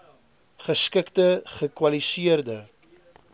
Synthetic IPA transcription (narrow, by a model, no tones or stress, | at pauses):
χəskəktəχəkwɐlisiərdə